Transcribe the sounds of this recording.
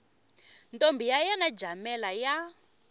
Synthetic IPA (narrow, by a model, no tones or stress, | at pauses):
ntombʱijajanad͡ʒamɛlaja